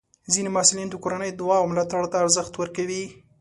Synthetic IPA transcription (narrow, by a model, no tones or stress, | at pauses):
zinemɑsulind̪əkoɾanəjd̪ʊwɑwmɪlɑt̪aɽt̪aːɾzəxt̪wəɾkawi